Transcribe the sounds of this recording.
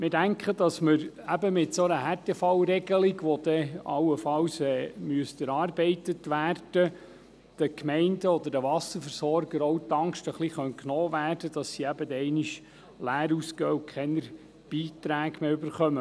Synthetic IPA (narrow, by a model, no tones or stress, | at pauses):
mɪdæŋkχədɑsməɾ | æbəmɪtsonəhærtɛfɑwɾɛɡəliɡʋod̪̥ɛɑwːəfɑwsɛːmyəstəɾɑːrbɛɪtətʋæːrd̥ə | d̪̥əkmɛɪndəɔd̪əɾd̥əʋɑsəɾfəɾsɔɾɡəɾɔwt̪ɑŋʃtəχliχœntknɔːʋæːrd̥əd̥ɑsːiæbəd̪ɛɛɪniʃ | læːɾuskœːukʰχɛnəɾ | b̥iːt̪ɾæːɡmeːybəɾχœmə